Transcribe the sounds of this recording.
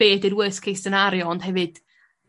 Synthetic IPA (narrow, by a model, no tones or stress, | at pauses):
eːdɪdwəskʰejstənaɾjɔɔnd̥hɛvɨd̥